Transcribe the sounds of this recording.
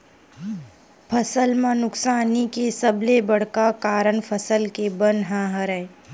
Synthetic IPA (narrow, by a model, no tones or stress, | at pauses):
pʰəsəlmãnʊksaːnikesəblebəɽ̤kakaːɾəɳpʰəsəlkebənɦãːɦəɾə